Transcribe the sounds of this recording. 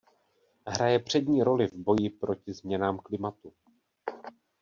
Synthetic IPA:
ɦɾajɛpr̝̥ɛdɲiːɾo̞lɪvbo̞jɪpɾo̞cɪzmɲɛnaːmklɪmat̪u

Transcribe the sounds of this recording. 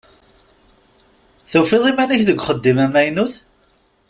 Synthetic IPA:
θufiðˤimænæçðəɡʷχəd̪ːimæmæjnuθ

